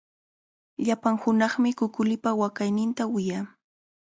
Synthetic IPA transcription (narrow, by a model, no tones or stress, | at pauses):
ʎapaŋhʊnɑχmɪkʊkʊlɪpawakajnɪnt̪awɪjaː